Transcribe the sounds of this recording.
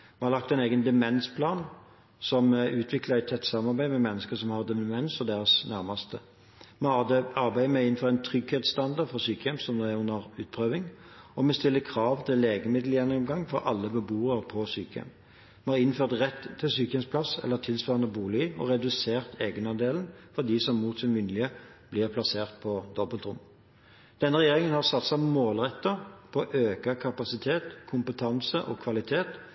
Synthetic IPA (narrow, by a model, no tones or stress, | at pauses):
mɛhɑʁlɑkt̪ɛɪneːɡənd̪ɛmɛnspʰlɑːn | sɔmʉːt̪ʰʋɪkləʁæɪt̪ʰɛt̪ːsɑmːɑʁbæɪmɛmɛnːəskəsɔmhɑʁd̪ɛmɛnsfɔd̪eːʁəsnæʁmɑst̪ə | mɛhɑd̪ɛɑʁbæɪəmɛɪnn̩fɔʁæɪnt̪ʰʁʏɡheːt̪st̪ɑnd̪ɑʁd̪fɔsyːkəjɛmsɔmd̪ɛæɾʉnːəʁʉːt̪pʰʁøːʋɪŋ | ɔmɛst̪ɪlːəkʰɾɑːʋt̪ʰɪleːɡəmɪd̪l̩jɛnɔmɡɑŋːfɔɾɑlːəbəbuːəɾpʰɔsyːkəɛ̰m | mɛhɑːʁɪnføːʁt̪ʁɛt̪ʰːɪlsyːkəɛmspʰlɑsɛ̰lːəʁt̪ʰɪlsʋɑːʁnəbuːlɪɔ̰ʁɛd̪ʉseːʁt̪ʰeːɡənɑnd̪eːln̩fɔʁd̪isɔmːuːt̪sɪmʋɪnlɪəb̥lɪːʁpʰlɑseːʁt̪̚pʰɔd̪ɔbəlt̪ʁʊm | d̪̥ɛnːəʁɛjeːʁɪŋənhɑʁsɑt̪sɑmoːlʁɛt̪ːəʁpʰɔʔøːkɑkʰɑpɑsɪt̪ʰeːt̪kʰʊmpət̪ʰɑnsəʔɔ̰kʰʋɑlɪt̪ʰeːt̪